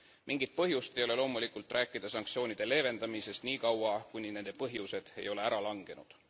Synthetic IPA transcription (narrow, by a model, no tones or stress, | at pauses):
miŋɡit̪̚pɤɦjust̪e̞jo̞le̞lo̞ːmulikult̪ːˑrʔæːkːˑid̪̥ɑsɑŋkt̪sio̞ːnid̪̥e̞le̞ːve̞nd̪ɑmise̞st̪niːkɑwɑkunʲine̞nd̪e̞pɤɦjuse̞d̪̥e̞̰jo̞le̞æɾɑlɑŋɡ̥e̞nud̪̥